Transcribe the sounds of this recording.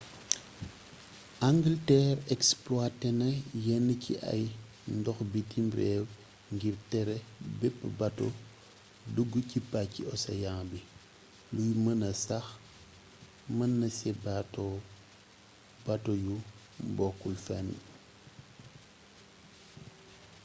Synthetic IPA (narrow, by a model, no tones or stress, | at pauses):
ʔaŋɡiltɛːɾɛksplwatɛnɐjɛnːəcḭʔɐ̰j | ndɔxbitimbɾɛːw | ŋɡiɾtɛɾɛbɛpːbɐtɔ̰ | duɡːucipacːiɔsɐ̰jaŋbi | lujmɐnɐsɐx | mɐnːɐsɛbatɔ | batɔju | mbɔkːulfanḭ